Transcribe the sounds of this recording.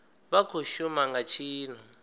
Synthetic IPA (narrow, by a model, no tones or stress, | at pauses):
βakʰoʃumaŋɡat͡ʃʰiːn̤u